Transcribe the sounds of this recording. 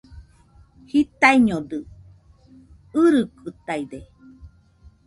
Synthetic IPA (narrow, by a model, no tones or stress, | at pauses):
hit̪aiɲodɨ | ɯɾɨkɨt̪aid̪e